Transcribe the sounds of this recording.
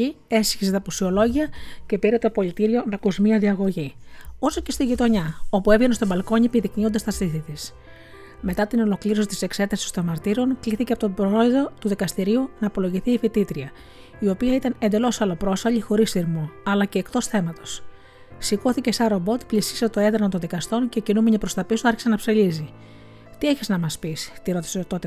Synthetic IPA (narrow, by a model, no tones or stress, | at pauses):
i | e̞sçiset̪ɐposio̞lo̞ʝiɐce̞piɾet̪o̞po̞lit̪iɾio̞nɐkozmiɐðiɐɣo̞ʝio̞so̞ce̞st̪iʝit̪o̞ɲɐo̞pue̞vʝe̞nest̪obɐlko̞ɲipiðikniod̪ɐst̪ɐst̪iθit̪is | me̞t̪ɐt̪ino̞lo̞kliɾo̞s̬it̪i̥se̞kse̞t̪ɐsi̥st̪o̞nmɐɾt̪iɾo̞ŋkliθiceɐpo̞t̪bɾo̞eðo̞t̪uðikɐst̪iɾiunɐːpo̞lo̞ʝiθiːfit̪it̪ɾiɐ | io̞piɐit̪ɐne̞nd̪e̞lo̞sɐlo̞pɾo̞sfɐʎixo̞ɾisθiɾmoɐlɐce̞ːkt̪o̞sθe̞mɐt̪o̞s | siko̞θice̞sɐɾobo̞t̪plisiset̪o̞e̞ðɾnont̪onðikɐst̪o̞nce̞cinumeɲipɾo̞st̪ɐpisuɐɾçi̥se̞nɐpselizi | t̪ie̞çiznɐmɐspist̪iɾo̞t̪i̥set̪o̞t̪e